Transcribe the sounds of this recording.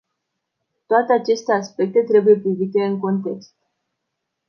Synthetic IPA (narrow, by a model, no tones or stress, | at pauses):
t̪oat̪eat͡ʃe̞st̪e̞aspe̞k̚t̪e̞t̪ɾe̞buje̞pɾivit̪e̞ɨŋko̞nt̪e̞kst̪̚